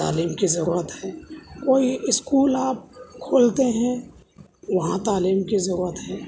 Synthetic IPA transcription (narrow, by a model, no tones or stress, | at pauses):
t̪a̰ːliːmkizɐɾuːɾət̪ɦɛːkoːiɪskuːlaːp̚kʰoːlt̪eɦɛ̃ | ʋɐɦãt̪aːliːmkizɐɾuːɾət̪ɦɛː